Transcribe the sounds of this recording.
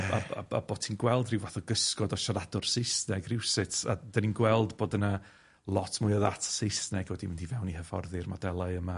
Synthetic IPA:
a̰a̰a̰bo̥ːtʰiːnɡwɛlˠdrɪwvaθɔɡəskɔdɔʃaɾadʊrsɪjsnɛɡrɪwsɪtʰa̰d̥aninɡwɛlˠdboːdəna | lˠɔtʰmʊɨəðatʰsejsnɛɡwɛdimɪndivɛwnihəvɔ̰rðɨrmadɛlˠaɨəma

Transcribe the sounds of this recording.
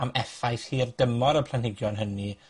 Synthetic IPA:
amɛfajθhiːrdəmɔɾəpʰl̥ˠanhɪɡjɔnɦəni

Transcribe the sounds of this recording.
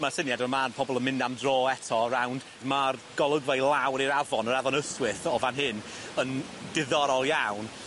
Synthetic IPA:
masɪnjadɔmaːnpʰɔbɔlˠənmɪ̃ndamdrɔːɛtʰɔɾawnd̥ | marɡ̥ɔlˠəɡvajlˠawɾiɾavɔnəɾavɔnəswɪθɔvanɦɪnəndɪðɔɾɔlˠjawn

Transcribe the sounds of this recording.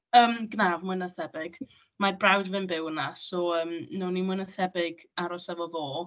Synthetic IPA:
əːmɡnavmɨnaθɛbɪɡ̥ | marbrawdvɪnbɪwənasɔəːmnʊnimʊnəθɛbɪɡaɾɔsavɔvoː

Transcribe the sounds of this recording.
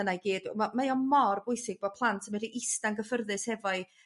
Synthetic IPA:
ənajɡeːdmamajɔmɔrbʊɨsɪɡ̚b̥ɔ̥pʰlˠantʰəmɛdiʔɪstanɡəfərðɨshɛvɔɨ

